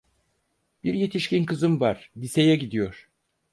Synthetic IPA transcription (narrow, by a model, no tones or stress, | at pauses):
b̥iɾje̞t̪ʰiʃcinkʰɯzɯmvaɾ̥d̪ise̞jɛɟid̪ijo̞ɾ̥